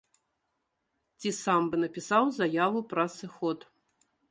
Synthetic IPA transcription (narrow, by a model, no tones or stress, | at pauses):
t͡sʲisambɨnɐpʲisawzajavɨpɾɐsɨxɔt̪